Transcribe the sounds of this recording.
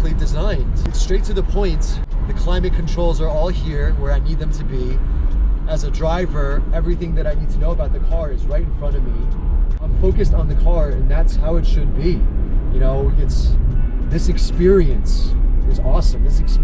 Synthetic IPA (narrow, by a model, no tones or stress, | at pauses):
lidɨzãɪ̃nd̥ɨtstɹ̥eɪtʰɨðəpʰɔ̃ɪ̃n | ðɨkʰl̥ãɪ̃mɨ̃kʰn̩tʰɹ̥oʊlˠzə˞ɔlˠhiɹwə˞aɪnid̪̚ðɨ̃mtʰɨbi | ɨzɨdɹaɪvə˞ɛvɹiθɪ̃ŋðɨɾaɪnid̚tʰɨnoʊəbaʊt̪̚ðɨkʰɑɹɨzɹaɪɾ̃n̩fɹʌ̃ɾ̃ʌvmiãɪ̃ɱfoʊkɨstn̩ðɨkʰɑɹɨ̰̃nðætshaʊɨtʃɨd̚bijɨnoʊɪtsðɪsɨkspɪɹiɨ̃nsɨzɔsə̃mðɪsɨks